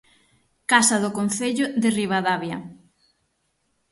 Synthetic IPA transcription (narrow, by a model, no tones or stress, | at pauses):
kasɐðʊkon̟θeʎʊðɪriβaðaβjɐ